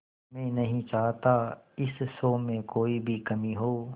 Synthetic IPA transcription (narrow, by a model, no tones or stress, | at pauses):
mẽːnɐɦĩt͡ʃaːɦt̪aɪssoːmẽkoːibʱikɐmiɦoː